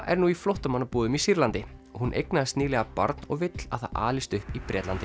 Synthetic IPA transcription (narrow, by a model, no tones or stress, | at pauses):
ʔɛ̰ɾnuːiflowht̪amanːapuːðʏmisiɾlant̪ɪɔhunʔḛjknaðɪst̪niːlɛɣapɔ̰ɾt̪nɔɣvɪt̪l̥a̰θa̰a̰ːlist̪ʏhpipɾʔɛːt̪lant̪ɪ